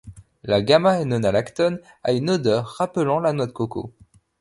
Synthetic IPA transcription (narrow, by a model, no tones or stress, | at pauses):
laɡamaɛnɔnalakt̪ɔn | a̰ynod̪œʁːapəlɑ̃lanwɔt̪koko̰